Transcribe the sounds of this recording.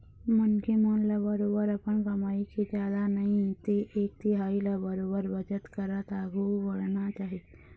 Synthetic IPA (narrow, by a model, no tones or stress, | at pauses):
mənkemonlabəɾoːbəɾɐpəɳkɐmaːiked͡ʒjaːd̪anəɦĩt̪eʔeːk̚t̪iɦaːilabəɾoːbəɾbət͡ʃət̪kəɾət̪aːɡuʋəɽnat͡ʃaːɦie